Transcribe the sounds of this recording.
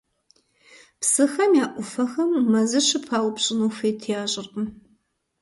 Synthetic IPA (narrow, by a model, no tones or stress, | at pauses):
psɨxɐmjaːʔʷʊfɐxɐmːɐzɨʃʰɪpʰaːwpɕʼɪnuːfeːtʰjaːɕʼɪrqɨm